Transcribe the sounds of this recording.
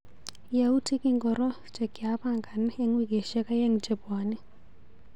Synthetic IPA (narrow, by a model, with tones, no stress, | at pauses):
ja˨u˦tʰi˦kʼi˦ŋɡɔ˨ɾɔ̥˦ | d͡ʒɛ˨ɡi˨a˦pa˨ŋɡa˨n˦e˦ŋwi˦ɡɛ˨ʃɛ˦ka˦je˦ŋ̩d͡ʒɛ˨baː˨˦nɛ˦